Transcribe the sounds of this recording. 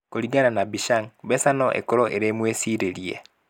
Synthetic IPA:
koɾiɡananabiʃaŋbɛsanɔʔḛkoɾoʔeɾeːmwesiɾeɾiḛ

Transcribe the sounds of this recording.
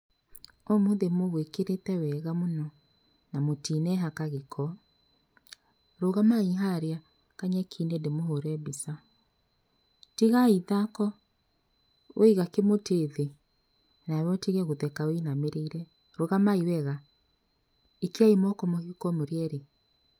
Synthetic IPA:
ɔmoðemoɣwekeɾetɛwɛɣamonɔ | namotinɛɦakaɣekʰɔ | ɾoɣamaiɦaɾea | kaɲɛkʰinedemoɦoɾɛbisa | tiɣaiðakɔ | wʔeɣakemoteðe | nawɔtiɣɛɣoðɛkaweinameɾeiɾɛ | ɾoɣamaiwɛɣa | ekeaimɔkɔmɔɣikɔmoɾeɛɾe

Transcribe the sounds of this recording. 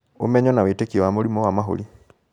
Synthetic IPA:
o̰mɛɲɔnawetekiɔwamoɾimɔwamaɦo̰li

